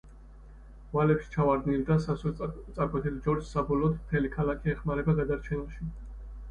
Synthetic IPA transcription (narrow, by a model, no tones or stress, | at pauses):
valɛpʃi̥t͡ʃʰavaɾd̪nild̪asasɛt̪sʼaɾkʼwɛt̪ʰɛlid͡ʒɔɾd͡ʒsabɔlɔːt̪ʰmt̪ʰɛlikʰalakʰiɛχmaɾɛbaɡad̪aɾt͡ʃʰɛnaʃi